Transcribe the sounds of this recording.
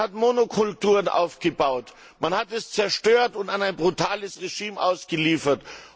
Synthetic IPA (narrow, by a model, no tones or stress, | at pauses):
hatmonokʰʊltuːʁənʔa̰ʊfɡ̥əbaʊt | manhatɛst͡sɛɐʃtøːɐtʊntanaɪnbʁutʰaːləsʁeʒiːmʔa̰ʊsɡ̥əliːfɐt